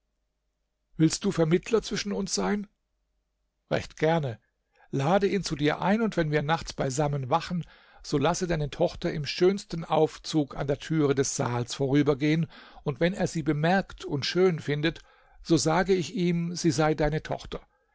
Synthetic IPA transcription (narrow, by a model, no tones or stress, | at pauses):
vɪlst̚d̥uːfɛɐmɪtʰlɐt͡sv̥ɪʃn̩ʊnsz̥aɪn | ʁɛ̰çtɡ̥ɛɐnə | laːdəʔiːnt͡sudiːɐʔa̰ɪnʊntv̥ɛnviːɐnaχt͡sb̥aɪzamənvaχn̩ | z̥oːlasədaɪnətʰɔχtɐʔɪmʃøːnstn̩ʔaʊft͡suːka̰ndeːɐtʰyːʁədɛsz̥aːlsfoːʁyːbɐɡeːənʊntv̥ɛneːɐziːbəmɛɐktʰʊntʃøːnfɪndət | z̥oːzaːɡəɪçʔiːmz̥iːzaɪdaɪnətʰɔ̰χtɐ